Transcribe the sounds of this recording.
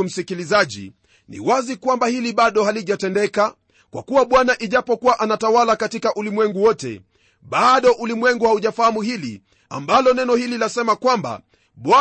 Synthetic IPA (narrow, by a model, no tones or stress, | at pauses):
um̩sikilizaʄḭ | nḭwazikwambahiliɓaɗɔhaliʄatɛndɛka | kwa̰kuwaɓwanaʔiʄapɔkuwaʔanatawalakatikaʔulimwɛŋɡuwɔtɛ̰ | ɓaɗɔʔulimwɛŋɡuhauʄafahamuhili | a̰mbalɔnɛnɔhililasɛmakwamba̰ | ɓwa